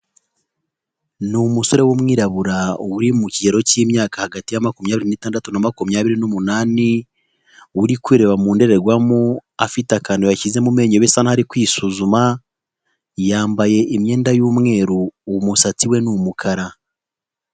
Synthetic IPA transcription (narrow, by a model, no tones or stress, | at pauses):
numuso̞ɾe̞woːmŋiːɾaβuɾaowuɾimucieɾo̞cimjaːkahaɡatijamakumjaːβiɾinitaːndatunamakumjaːβiɾinomunaːni | owuɾikwiɾe̞βamuːnde̞ɾe̞ɾɡwamuafitakaːndojacize̞mume̞ːɲoβesanahaɾikwiːsuzuma | jaːmbaje̞ʔimɲe̞ːndajuːmŋe̞ːɾuːmusat͡siwe̞numukʰaɾa